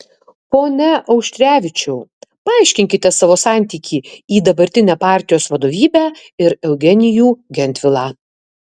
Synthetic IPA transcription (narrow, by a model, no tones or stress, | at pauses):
poːnʲɛʔɐʊkʃʲt̪ʲɾʲæːʋʲɪt͡ʃʲʊpɐɑːˑɪʃʲkʲɪŋʲkʲɪt̪ʲɛsɑːʋoːsɑˑnʲt̪ʲiːkʲiːiːd̪ɐbɐɾʲt̪ʲɪnʲæːpɑˑɾʲt̪ʲɪjoːsʋɐd̪oːʋʲiːbʲæː | ɪɾɛʊɡʲɛnʲɪjuːɡʲɛnʲt̪ʲʋʲɪlˠɑː